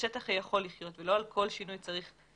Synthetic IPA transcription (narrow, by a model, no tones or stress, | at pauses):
et̪aχajaχo̞lːiχjo̞t̪velo̞alkʰo̞lʃinujt͡saʁiχ